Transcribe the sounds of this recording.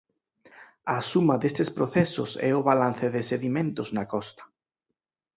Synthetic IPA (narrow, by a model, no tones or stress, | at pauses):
asumɐðest̪espɾoθɛsʊ̰sɛ̰ʊβalan̟θɪðɪseðimẽnt̪ʊznakɔst̪ɐ̥